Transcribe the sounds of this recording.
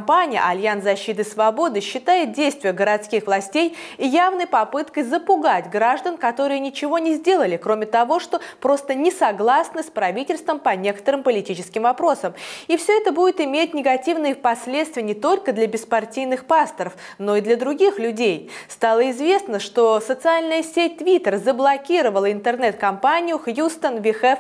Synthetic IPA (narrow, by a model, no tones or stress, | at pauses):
mpanʲɪjə̰ʔɐlʲjansɐɕːit̪̬ɨsvɐbo̞d̪ɨɕːɪt̪ajɪt̪̚dʲejst̪vʲɪjəɡəɾɐt̪skʲixvlˠɐsʲtʲejijavnəjpɐpɨt̪kəjzəpʊɡatʲɡɾaʐd̪ənkɐt̪o̞ɾɨjənʲɪt͡ɕɪvo̞nʲɪzʲdʲe̞lˠəlʲɪkɾo̞mʲɪt̪ɐvo̞ʂt̪o̞pɾo̞st̪ənʲɪsɐɡlˠasnɨspɾɐvʲitʲɪlʲst̪vəmpɐnʲe̞kə̥t̪əɾɨmpəlʲɪtʲit͡ɕɪskʲɪmvɐpɾo̞səmifsʲɵɛt̪əbudʲɪt̪ɪmʲet̚ʲnʲɪɡɐtʲivnɨjəpɐsʲlʲet̪st̪vʲɪjənʲɪt̪o̞lʲkəd̪lʲɐbʲɪspɐrtʲijnɨxpast̪əɾəf | no̞ɪd̪lʲɐəd̪ɾʊɡʲixlʲʊdʲejst̪alˠəɪzvʲe̞snəʂt̪o̞sət̪sɨalʲnəjəsʲet̚ʲt̪vʲit̪ʲərzəblˠɐkʲiɾəvəlˠəɪnt̪ərnɛt̪̚kɐmpanʲɪjʊxjust̪ənvʲɪxɛf